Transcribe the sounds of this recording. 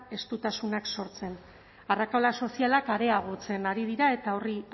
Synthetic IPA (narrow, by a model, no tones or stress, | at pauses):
e̞st̪ut̪asunakso̞ɾt͡se̞n | arakalaso̞sialakaɾe̞aɣ̞o̞t͡se̞naɾið̞iɾae̞t̪ao̞ri